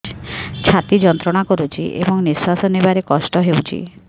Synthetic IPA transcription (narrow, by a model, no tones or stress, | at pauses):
t͡ʃʰat̪id͡ʒɔnt̪ɾɔɽ̃akɔɾut͡ʃʰiʔḛbɔŋnisasɔnibaɾekɔsʈɔɦewt͡ʃʰḭ